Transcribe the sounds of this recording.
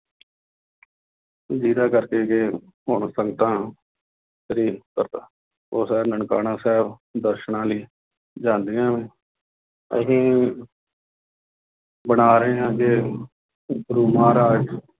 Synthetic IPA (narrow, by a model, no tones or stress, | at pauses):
d͡ʒiːd̪aːkəɾkeːke | ɦʊɳsəŋɡt̪ãː | ʃəɾiːnkəɾt̪aː | oːsɛːbnəɳkaːnãːsɛːbd̪əɾʃɳãːliː | d͡ʒãːnd̪eːãːʋẽː | ə̰sĩː | bənaːɾəɦẽːãːke | ɡɾuːmãːɾaːd͡ʒ